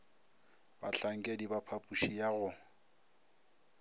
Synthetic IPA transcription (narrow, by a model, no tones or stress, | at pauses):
bat͡ɬaŋ̩kʼedibapʰapʼuʃijaɣʊ